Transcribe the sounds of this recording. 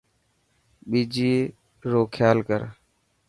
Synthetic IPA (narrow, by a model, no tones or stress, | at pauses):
ɓiːd͡ʒiː | ɾoːkʰjaːlkə̰ɾ